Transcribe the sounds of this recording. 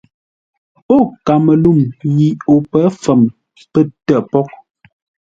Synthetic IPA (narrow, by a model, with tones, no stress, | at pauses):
o˦˨ka˨mə˨lu˦˨mji˨o˨pɛ˨˦fə˨m | pə˦˨tɛ˨pɔ˦k̚